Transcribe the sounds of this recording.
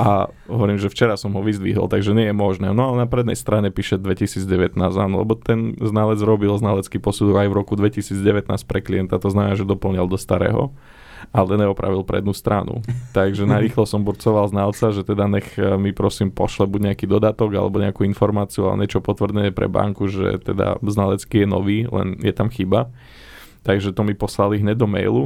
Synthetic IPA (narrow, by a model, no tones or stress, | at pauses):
ʔa | ɦɔʋɔɾiːmʒɛft͡ʃɛɾasɔmɦɔʋizd̪ʋḭɦɔ̰lt̪aɡʒɛɲɪɛjɛmɔʒnɛːnɔalɛnapɾɛd̪nɛ̰jst̪ɾaɲɛpiːʃɛd̪ʋɛcisiːd͡zɟɛʋɛt̪naːzaːnɔlɛ̰bɔt̪ɛnznalɛd͡zɾɔbilznalɛt͡skipɔsud̪ɔɡajvɾɔkud̪ʋɛcisiːd͡zɟɛʋɛt̪na̰ːsc̚pɾɛkliɛnt̪at̪ɔznamɛnaːʒɛd̪ɔpl̩ɲalˠd̪ɔst̪aɾɛ̰ːɦɔ̰ | alɛd̪ɛnɛɔpɾa̰ʋilˠpɾɛ̰d̪nust̪ɾanṵt̪aɡʒɛnaɾiːxlɔsɔmbuɾt͡sɔʋalznalt͡saʒɛt̪ɛd̪aɲɛxmipɾɔsimpɔʃlɛbuɟɲɛakiːd̪ɔd̪at̪ɔɡa̰lɛ̰bɔɲɛakuinfɔɾmaːt͡siua̰ɔ̰ɲɛt͡ʃɔpɔt̪ʋrd̪ɛɛpɾɛ̰ba̰ŋkuʒɛ̰t̪ɛd̪a̰znalɛt͡skijɛnɔ̰ʋiːlɛ̰njɛt̪amxiba | t̪aɡʒɛt̪ɔmipɔslaliɦɲɛd̪ɔmɛ̰jlu